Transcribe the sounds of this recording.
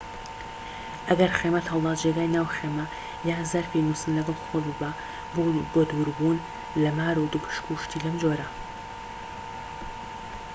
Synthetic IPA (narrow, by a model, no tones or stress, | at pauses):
ʔɐɡɐɾχeːmɐt̪hɐwlˠɑːt̪d͡ʒeɡaːjnaːwxemɐ | jaːzɐɾfinusɨnlɐɡɑlˠxobɨba | bobod̪wuɾbuːn | lɐmaːɾud̪upʰɨ̥ʃkuʃt̪iːlɐmd͡ʒoɾɐ